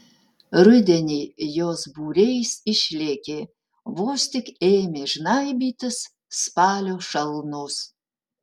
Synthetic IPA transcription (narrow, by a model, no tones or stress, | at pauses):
rɨd̪ʲenʲijozbuɾʲejsiʃlʲekʲe | vost̪ʲikemʲeʒnajbit̪ʰɨs | spɑːlʲoʃɐlˠnoːs